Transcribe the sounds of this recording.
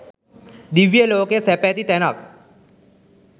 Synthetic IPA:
d̪iʋjəloːkesɛpɛt̪it̪ɛnak̚

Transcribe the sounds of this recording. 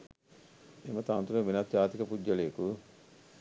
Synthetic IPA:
emɐt̪ant̪uɾɐʋinɐt̪jaːt̪ikɐpud͡ʒːɐlejeku

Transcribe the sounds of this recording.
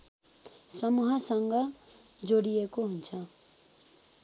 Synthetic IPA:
sʌmuɦʌsʌŋɡʌ | d͡zoɽijekoɦunt͡sʰʌ

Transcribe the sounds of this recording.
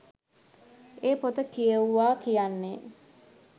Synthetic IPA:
eːpot̪əkijəʋuʋaːkijanːe

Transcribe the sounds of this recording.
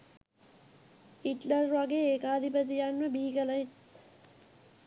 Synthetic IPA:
iʈlɐrʋaɡeːeːkaːd̪ʱipət̪̬ijanʋəbiːɡəlɐit̪

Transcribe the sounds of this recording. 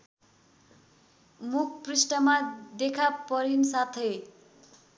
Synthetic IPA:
muk̚ʰprisʈʌmad̪ekʰapʌɾinsat̪ʰe

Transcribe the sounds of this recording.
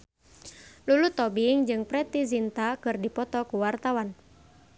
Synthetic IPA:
lulut̪ːɔbiŋd͡ʒɨŋpɾɛt̪izint̪akɨrdipɔt̪ɔkuwart̪awan

